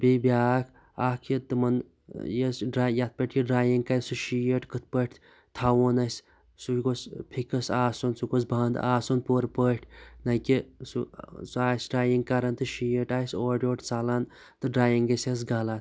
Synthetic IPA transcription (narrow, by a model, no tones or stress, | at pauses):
bibjaːkʰ | akʰit̪ɨmɐn | jesɖɾajat̪̚pəʈʰʲkiɖɾaːjiŋɡkajsuʃijəʈkɨt̪̚ʰpəʈ̪ʲ | t̪ʰawonɐs | suɡospʰikɐsaːsonsuɡosbaːnd̪a̰ːsonpoːɾpəːʈʲʰnɐkisusuaːsɖɾaːjiŋɡkɐɾɐnt̪ɨʃijəʈaːsoːɖʲoːʈʰt͡saːlan | t̪ɨɖɾaːjiŋɡɐses̬ɡaːlat̪